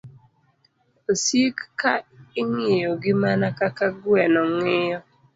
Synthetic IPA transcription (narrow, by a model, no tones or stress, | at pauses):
osikːaɪŋɪjoɡɪmanakakaɡwɛnɔŋɪjɔ